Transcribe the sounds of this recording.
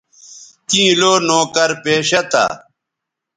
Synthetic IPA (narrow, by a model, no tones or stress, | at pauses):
k̪ĩːloːnoːkɐɾpeːɕɐt̪a̰ː